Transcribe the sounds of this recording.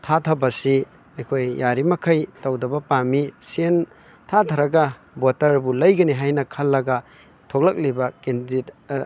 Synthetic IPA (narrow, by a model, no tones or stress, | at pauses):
tʰatʰɐbɐsi | ɐjkʰojːaɾimɐkʰɐjtɐwdɐbɐpamisen | tʰatʰɐɾɐɡɐ | botɐɾbulɐjɡɐniɦajnɐkʰɐlːɐɡɐ | tʰok̚lɐk̚libɐkendit